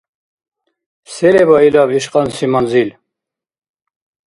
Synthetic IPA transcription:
sɛlɛbailaviʃqʼansimanzil

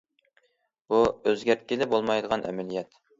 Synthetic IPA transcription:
b̥uøzɡʲæɾt̪̚kʲilɪbolˠmɑjd̪əʁɑnʔɛ̰mɛlijɛt̪

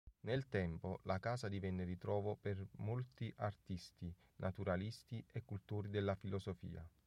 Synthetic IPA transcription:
nelt̪ɛmpolʔakaːzad̪ivɛnːeɾit̪ɾɔːvopermolt̪iʔart̪ist̪i | nʔat̪uɾalist̪iʔekːult̪oːɾid̪elːafilɔsofḭːa̰

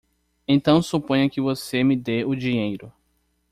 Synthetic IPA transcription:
ẽnt̪ɐ̃w̃supõjɲɐkɪvosemɪd̪eʊd͡ʒiɲejɾʊ

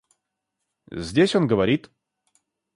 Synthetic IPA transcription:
zʲdʲesʲo̞nɡəvɐɾʲit̪

